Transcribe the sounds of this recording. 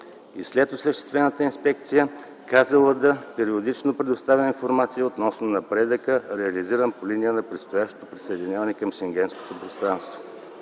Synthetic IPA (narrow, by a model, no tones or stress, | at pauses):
islɛt̪osləʃt̪ɛ̥st̪vɛnət̪əinspɛkt̪sijə | kazəlˠəd̪ɐpɛɾiod̪it͡ʃnopɾɛd̪ost̪avʲəninfoɾmat̪sijəot̪nɔsnonɐpɾɛd̪əkəɾɛɐliziɾəmpoliniənɐpɾɛt̪st̪ojaʃt̪o̥t̪opɾisəɛd̪inʲavɐnɛkɐmʃɛŋɡ̟ʲɛnsko̥t̪opɾost̪ɾanst̪vo